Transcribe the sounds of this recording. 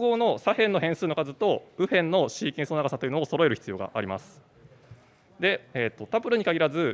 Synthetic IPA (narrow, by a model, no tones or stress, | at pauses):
ɡo̞ːno̞sahẽ̞nːo̞ɦẽ̞sɨːnokazɨt̪o̞ɯ̟ɸẽ̞nːo̞ɕiːkʲĩɰ̃sonaɡasat̪ojiɯ̟nooso̞ɾo̞eɾɯ̟çi̥t͡sɨjo̞ːɡa̰ʔaɾʲima̰sɨ̥ | d̪e̞eːt̪ːo̞t̪apɯ̟ɾɯ̟ɲ̟ikaɡʲiɾazɨ